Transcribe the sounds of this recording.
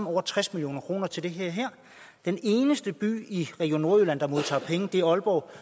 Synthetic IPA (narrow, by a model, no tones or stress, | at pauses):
m̩ɒʊ̰ɐt͡sʰʁɛsmiljo̝̰ːnɐkʰʁo̝̰ːnɐt͡sʰe̝ld̥e̝ɦeɐɦæɐ̰ | d̥ene̝ːnəsd̥əb̥y̰ːiʁɛɡ̥io̝nːo̝ɐølæn̰d̥ɑ̈mo̝ð̞ˠt͡sʰɑ̰̈pʰeŋəd̥e̝æɐɒ̽lb̥ɒʊ̰